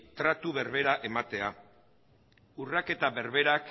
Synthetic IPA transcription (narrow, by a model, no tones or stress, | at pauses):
t̪ɾat̪uβe̞ɾβe̞ɾaʔe̞mat̪e̞a | urake̞t̪aβe̞ɾβe̞ɾak